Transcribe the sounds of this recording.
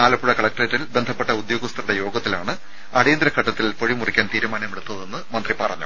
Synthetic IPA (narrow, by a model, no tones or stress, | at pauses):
aːlɐpːuɻɐkɐɭɐk̚ʈretːilbe̞nd̪ʱɐpːe̞ʈːɐud̪jo̞ːɡɐst̪ɐruɽejo̞ːɡɐt̪ːilaːɳɨ | ɐɽejːnd̪ɾɐkʰːɐʈːɐt̪ːilpo̞ɻimurikʲːaːnt̪iːɾumaːnɐmeɽut̪ːɐðe̞nːɨmɐnd̪ripɐrɐɲːṵ